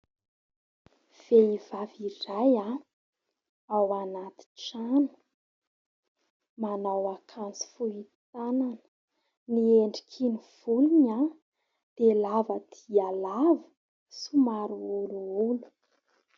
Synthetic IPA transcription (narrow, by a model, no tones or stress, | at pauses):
v̥eivaviraja | awanat̪i̥ʈ͡ʂanə̥ | manawakʰant͡si̥fuit̪ananə̥ | nieɳɖ͡ʐi̥kʰiniv̥uliɲa | d̪̥elavəd̪̥ialavə̥ | sumaɾuuluulu̥